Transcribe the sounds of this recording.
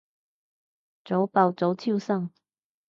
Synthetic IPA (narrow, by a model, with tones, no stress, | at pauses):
t͡so˨˥wpɑ˨˩wt͡so˨˥wtʰu˥˧sa˥˧ŋ